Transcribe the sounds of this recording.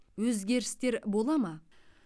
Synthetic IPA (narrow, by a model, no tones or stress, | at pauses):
wɵzɡʲe̞ɾɪst̪e̞ɾbo̞lˠɑmɑ